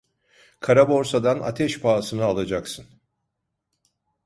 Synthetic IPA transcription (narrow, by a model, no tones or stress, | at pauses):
kʰaɾabo̞ɾsad̪ana̰t̪ʰɛʃpʰaːsɯnɯalˠad͡ʒaksɯn